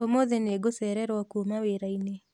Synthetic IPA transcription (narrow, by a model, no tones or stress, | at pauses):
omoðɛneɡosɛɾɛɾwakumaweɾaine